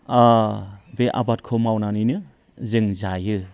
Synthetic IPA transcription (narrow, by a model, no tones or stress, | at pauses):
a | beʔa̰bat̚kʰɯmawnanijnɯ | zɯŋzajɯ